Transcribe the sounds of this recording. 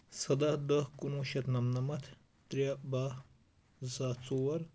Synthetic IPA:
sɐd̪ahd̪əhkunuːʃɐt̪nɐmnɐmɐt̪ʰ | t̪ɾjaba | zaːt͡suwɐɾ

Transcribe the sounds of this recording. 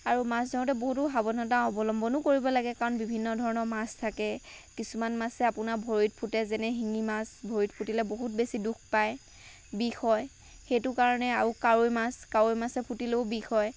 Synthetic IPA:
aɹumaszɔɔtɛboɦut̬ʊɦabɔnɔtaɔbɔlɔmbʱɔnʊkoɹibɔlaɡɛkaɹɔnbibʱinːɔdʱɔɹɔnɔɹmastʰakɛkisumanmasɛapʊnabʱoɹit̚pʰutɛzɛnɛɦiŋimasbʱoɹitpʰutilɛboɦut̚besiduk̚ʰpaj | bixɔj | xejtʊkaɹɔnɛaɹukaɹojmaskaɹojmasɛpʰutileʊbixɔj

